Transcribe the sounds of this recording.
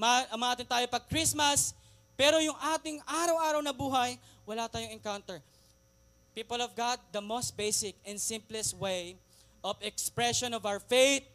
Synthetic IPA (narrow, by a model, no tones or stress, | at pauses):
mɐmɐʔaːt̪ɪnt̪aːjopɐɡ̚kɹismɐs | pɛːɾojʊŋʔaːt̪ɪŋʔaːɾɐwʔaːɾɐwnɐbuːɦɐj | wɐlat̪aːjoŋɛŋkawnt̪ɛɹ | piːpolɔvɡad̪̚ːɐmost̪̚bejsɪkɛ̃nd̪sɪ̃mplɛswej | ʔɔvɛkspɹɛʃonɔvawəɹfejt̪̚